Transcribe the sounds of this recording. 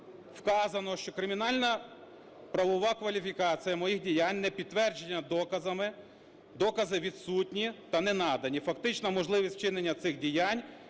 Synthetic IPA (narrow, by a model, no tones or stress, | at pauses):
wkɑzɐnɔʃt͡ʃɔkɾɪmʲinɑlʲnɐ | pɾɐʋɔʋɑkʋɐlʲifʲikɑt͡sʲijɐmɔjixdʲijanʲnɛpʲid̪̚t̪ːʋɛrd͡ʒenʲːɐd̪ɔkɐzɐmɪ | d̪ɔkɐzɪʋʲid̪sutʲnʲit̪ɐnɛnɑd̪ɐnʲifɐk̚t̪ɪt͡ʃnɐmɔʒlˠɪʋʲisʲt̚t͡ʃɪnenʲːɐt̪sɪxdʲijanʲ